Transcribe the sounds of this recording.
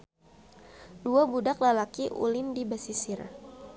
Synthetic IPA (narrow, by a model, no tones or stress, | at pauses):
duabudaklalakiʔṵlɪndibasisɪr